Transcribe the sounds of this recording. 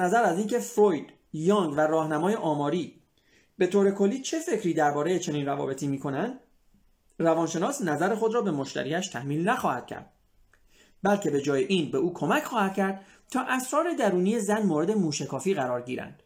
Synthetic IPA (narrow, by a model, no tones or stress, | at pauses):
næzæɾæziːncʰe̞fɾojd̪̥ | jɒːŋɡværɒːhnæmɒːje̞ʔɒːmɒːɾiː | be̞t̪ʰoːɾe̞kʰo̞lːiːt͡ʃʰe̞fe̞cʰɾiːd̪æɾbɒːɾe̞je̞t͡ʃʰe̞niːnrævɒ̰ːbe̞t̪ʰiːmiːkʰo̞nænd̪ | rævɒːnʃe̞nɒːsnæzæɾe̞xo̞d̪ɾɒːbe̞mo̞ʃt̪ʰæ̰ɾiːæʃt̪ʰæhmiːlnæxɒːhæ̰d̪̥̚cʰæ̰ɾd̪̥̚ | bælcʰe̞be̞d͡ʒɒːjeʔiːnbe̞uːkʰo̞mæcʰxɒːhæd̪̥̚cʰæɾd̪̥̚ | t̪ʰɒːʔæsɾɒːɾe̞d̪æɾuːniːje̞zænmoːɾe̞d̪e̞muːʃækʰɒːfiːɣæɾɒːɾɟiːɾæ̰nd̪̥